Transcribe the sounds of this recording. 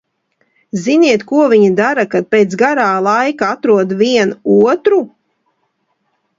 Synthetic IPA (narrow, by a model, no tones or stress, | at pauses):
ziniɛt̪kuɔvʲiɲid̪aɾakad̪̚peːt̪sɡaɾaːlˠajkaat̪ɾuɔd̪viɛnuɔt̪ɾu